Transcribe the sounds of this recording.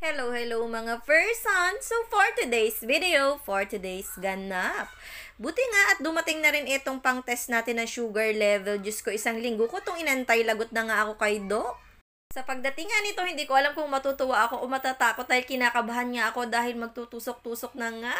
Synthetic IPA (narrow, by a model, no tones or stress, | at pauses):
hɛlowhɛlowmɐŋafɛɹsɐnsofoɹt̪ʊd̪ejsvɪd̪ɛowfoɹt̪ʊd̪ejsɡɐnap̚buːt̪ɪŋaʔɐt̪̚d̪ʊmɐt̪ɪŋnɐɾɪnʔɪt̪o̞ŋpɐŋt̪ɛst̪naːt̪ɪnːɐŋʃuːɡɐɹlɛvɛld͡ʒɐskoʔɪsaŋlɪŋɡokot̪oŋɪnɐʔɐnt̪ajlɐɡot̪̚nɐŋaʔɐko̞kɐjd̪ok̚ | sɐpɐɡ̚d̪ɐt̪ɪŋːanɪt̪o̞hɪnd̪iːkoʔɐlamkʊŋmɐt̪uːt̪ʊwaʔɐko̞ʔomɐt̪at̪aːkot̪̚aːhɪlkɪnaːkɐbahanŋaʔɐko̞d̪aːhɪlmɐɡ̚t̪ut̪uːsok̚t̪uːsok̚nɐŋaʔ